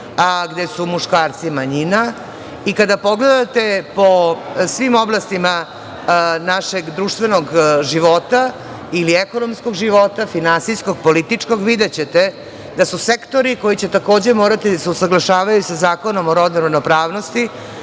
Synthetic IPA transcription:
ɡd̪e̞sumuʃkaːɾt̪simaɲina | ikad̪apo̞ɡled̪at̪e̞po̞sʋimo̞blˠast̪ima | naʃeɡd̪ɾuːʃt̪ʋe̞no̞ɡʒiʋo̞t̪a | ilieko̞no̞mskoɡʒiʋo̞t̪afinansijskoɡ̚polit̪it͡ʂko̞ɡʋid̪et͡ɕe̞t̪e | d̪asusekt̪o̞ɾiko̞jit͡ɕe̞t̪akoːd͡ʑe̞mo̞ːɾat̪id̪aseusaɡlˠaʃaːʋajusazaːko̞no̞moɾod̪neɾod̪nopɾaːʋno̞st̪i

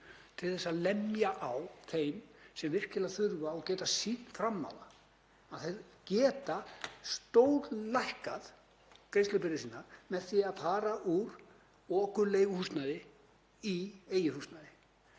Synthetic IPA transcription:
t̪ʰɪlθɛsːaðlɛmjaʔawθejmsɛmvɪr̥cɪlaθʏɾvaɔɣcɛːt̪asiːt̪nfɾamːa̰wla | aðθejðcɛːt̪ast̪owɾlajhkað | kɾejst̪lœpɪɾɪsiːnːaɾmɛðθiaðfaːɾaʔuɾ | ɔːkʏleːjɣʏhust̪naðɪ | ieːjɪhust̪naðɪ

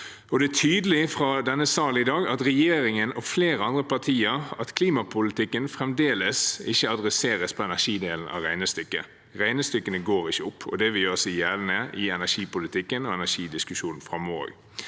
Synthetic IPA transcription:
ɔd̪ɛæt̪ʰyːd̪əlɪfɾɑd̪ɛnːəsɑːlɪd̪ɑːɡɑt̪ɾɛjeːɾɪŋənɔfleːɾəɑnd̪ɾəpʰɑt̪ʰiːəɾɑt̪kʰliːmɑpʰʊlɪt̪ɪkːənfɾɛmd̪eːləsɪçːəɑd̪ɾɛseːʁəspʰɔɛnæʂiːd̪eːln̩ʔɑ̰ʁæɪnəst̪ʏkːə̰ | ʁæɪnəst̪ʏkːənəɡoːɾɪçəʊpʰːɔ̰d̪ɛʋɪjøːɾsiːjæːlənəʔɪɛnæʂiːpʊlɪt̪ɪkːənɔɛnæʂiːd̪ɪskʉʃuːnn̩fɾɑmɔo̰ːɡ

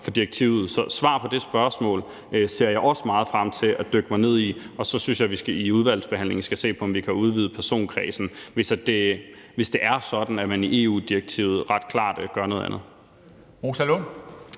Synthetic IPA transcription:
fɒ̽d̥ieɡ̥̚t͡sʰḭʊ̰ð̞̩ˠsɒ̽sʋɑ̰̈ːpʰɒ̽d̥e̝sb̥ɶɐsmɔ̰̽ːl | se̝ɐ̰jɑ̈ɪɒ̽səmɑ̈ːð̞̩ˠfʁɑm̰t͡sʰe̝æd̥øɡ̥əmɑ̈ɪne̝ð̰ˠiɒ̽sɒ̽synsjɑ̈ɪʋisɡ̥iuð̞ˠʋæl̰d̥sb̥e̝hæn̰le̝ŋn̩sɡ̥æse̝̰ːpʰɒ̽ɒ̽mʋikʰæuð̞ˠʋiːð̩ˠpʰæɐso̝̰ːnkʰʁɛ̰ːsn̩ʋe̝sd̥e | ʋe̝sd̥e̝ʔæɐsɒ̽d̥n̩æmæniʔe̝̰ːṵːd̥ieɡ̥̚t͡sʰḭʊð̩ˠʁɑ̈d̥̚kʰl̥ɑ̰̈ːd̥ɡ̥ɶɐno̽ːðˠænð̩ˠ | mosælo

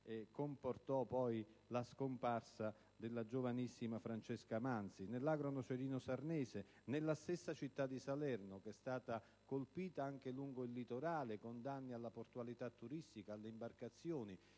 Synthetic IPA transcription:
ɛkːomport̪ɔpɔjlaskomparsa | d̪elːad͡ʒovanisːimafɾant͡ʃɛskamant̪sinelːaɡɾonot͡ʃɛɾiːnosarnɛːze | nelːast̪esːat͡ʃit̪ːad̪ːisalɛrnʊkɛst̪aːt̪a | kolpiːt̪aaŋk̟eluŋɡoilːit̪oɾaːlekond̪anːialːaport̪ualit̪at̪ːuɾist̪ikaːlːeimbarkat̪sːjoːni

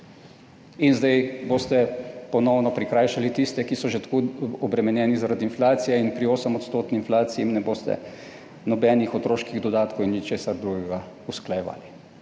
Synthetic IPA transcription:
inzd̪ɛjboːst̪ɛpɔnɔwnɔpɾikɾaːjʃalit̪ist̪ɛkisɔʒet̪kuɔbɾɛmɛnjɛːnizaɾad̪iːnflaːt̪sijɛinpɾioːsəmɔt̪st̪oːt̪ninflaːt̪sijɛmnɛboːst̪ɛ̰ | nɔbɛnixɔt̪ɾoːʃkiɣd̪ɔd̪aːt̪kowinnit͡ʃeːsaɾd̪ɾuɡɛɡa | usklajɛʋa̰ːli

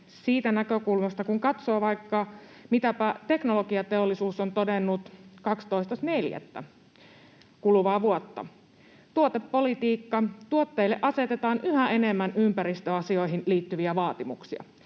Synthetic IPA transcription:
siːt̪ænækøkulmɑst̪ɑkuŋkɑt̪soːʋɑjkːɑ | mit̪æpæt̪e̞knoloɡiɑt̪eolːisuːsont̪odenːut̪kɑkst̪o̞ist̪ɑsneljæ̰t̪ːæ̰ | kulʋɑːʋuot̪ːɑ̰ | t̪uot̪epːo̞lit̪iːkːɑt̪uot̪ːeilːeʔɑse̞t̪et̪ɑːnʔyhæe̞nemːænympæɾist̪øɑsio̞iɦinliːt̪ːyʋiæʋɑːt̪imuksiɑ̰

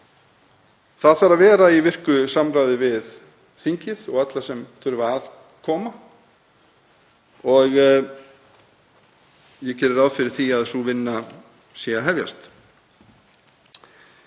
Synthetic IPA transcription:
θaðfaɾaðvɛːɾaivɪr̥kʏsamɾaːjðɪvɪð | θiɲcɪðɔɣat̪lasɛmθʰʏɾvaað | kʰɔːma | ɔɣ | jɛcɛːɾɪɾawðfɪɾɪɾ̥θiaðsuvɪnːa | sjɛaɦɛvja̰st̪

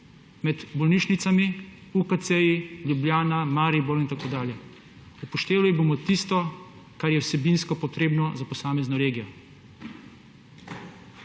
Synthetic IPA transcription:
mɛd̪bɔlniːʃnit̪sami | ukat̪sɛjiljubljaːnamaːɾibɔɾint̪akoːd̪aːljɛ | upɔʃt̪eːʋaliboːmɔt̪ist̪ɔ | kaɾjɛwsɛbiːnskɔpɔt̪ɾeːbnɔzapɔsaːmɛznɔɾeːɡijɔ

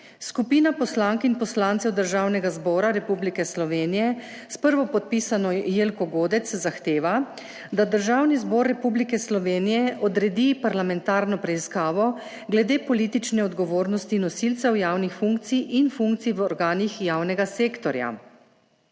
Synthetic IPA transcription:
skupiːnapɔslaŋkinpɔslaːnt̪sɛwd̪əɾʒaːwnɛɡazbɔːɾaɾɛpublikɛslɔʋeːnijɛ | spəɾʋɔpɔt̪̚pisanɔjelkɔɡoːd̪ɛt̪szaxt̪eːʋa | d̪ad̪əɾʒaːwnizbɔɾːɛpublikɛslɔʋeːnijɛʔɔd̪ɾɛd̪ipaɾlamɛnt̪aːɾnɔpɾɛiskaːʋɔ | ɡlɛd̪eːpɔliːt̪it͡ʃnɛɔd̪ɡɔʋoːɾnɔst̪inɔsilt̪sɛwjaːwnixfuŋk̚t̪siʔinfuŋk̚t̪sijʋɔɾɡaːnixjawnɛɡaseːkt̪ɔɾja̰

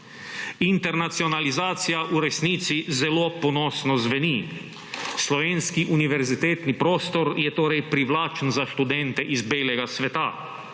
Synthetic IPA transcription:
int̪ɛɾnat̪siɔnalizaːt̪sijaʔuɾɛsniːt̪sizɛloːpɔnɔːsnɔzʋɛni | slɔʋeːnskiʔuniʋɛɾzit̪eːt̪nipɾoːst̪ɔɾjɛt̪oːɾɛjpɾiʋlaːt͡ʃnzaʃt̪ud̪ɛnt̪ɛʔizbeːlɛɡasʋɛt̪a̰

